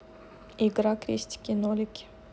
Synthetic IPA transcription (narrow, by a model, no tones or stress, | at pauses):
iɡɾakɾʲḭsʲtʲkʲɪnolʲɪkʲɪ̥